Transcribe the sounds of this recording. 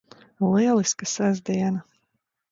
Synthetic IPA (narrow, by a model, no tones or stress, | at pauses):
lˠiɛlˠiskasazʲd̪iɛnɐ